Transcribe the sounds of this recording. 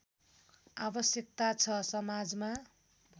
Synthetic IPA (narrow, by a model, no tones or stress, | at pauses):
abʌsjʌk̚t̪at͡sʰʌsʌmad͡zma